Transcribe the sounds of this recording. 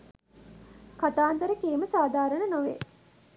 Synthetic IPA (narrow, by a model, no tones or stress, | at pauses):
kat̪aːnd̪əɾəkeːməsaːd̪ʱaːɾəɳənoʋḛ